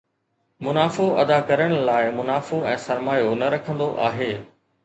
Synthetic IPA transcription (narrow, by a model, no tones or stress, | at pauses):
mʊnaːfoɐ̰d̪akɐɾəɽ̃laːɪmʊnaːfoɛ̃ːsɐɾmaːjonɐɾɐkʰə̃nd̪oʔa̰ːɦeː